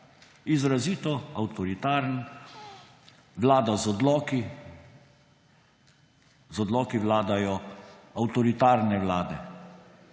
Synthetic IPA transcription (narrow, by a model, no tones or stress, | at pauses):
izɾaziːt̪ɔawt̪ɔɾit̪aːɾn | ʋlaːd̪azɔd̪lɔːki | zɔd̪lɔːkiʋlaːd̪ajɔawt̪ɔɾit̪aːɾnɛʋlaːd̪ɛ̰